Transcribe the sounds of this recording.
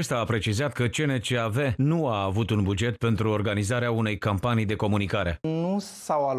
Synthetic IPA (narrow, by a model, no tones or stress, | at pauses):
est̪aːpɾe̞t͡ʃizat̪kət͡ʃenet͡ʃeave̞nuaːvut̪unbud͡ʒe̞t̪̚pe̞nt̪ɾuorɡanizaɾeaune̞jkampanijd̪e̞ko̞munikaɾe̞̰nu | sawal